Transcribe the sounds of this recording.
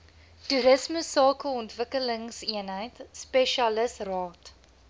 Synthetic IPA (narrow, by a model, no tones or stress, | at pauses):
tuɾəsməsɑːkəɔntvəkələŋsiənɦəjtspɛʃɐləsrɑːt